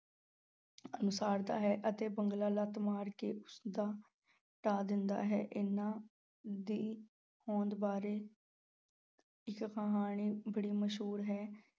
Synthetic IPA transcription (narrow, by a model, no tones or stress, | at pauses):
ənʊsaːɾd̪a̰ːɦɛːʔət̪eːbəŋɡlaːlaːt̪maːɾkeːʊsd̪aː | ʈaːd̪ɪnd̪a̰ːɦɛːʔɪnːãː | d̪iː | hɔ̃ːnd̪baːɾeː | ɪkkəɦaːɳ̃iːbəɽiːməʃɦuːɾɦɛː